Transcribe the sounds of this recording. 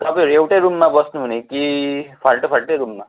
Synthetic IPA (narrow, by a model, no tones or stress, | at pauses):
t̪ʌpiʌɾuewʈajɾumːabʌsnũɦunekipʰalʈopʰaɽʈeɾumːa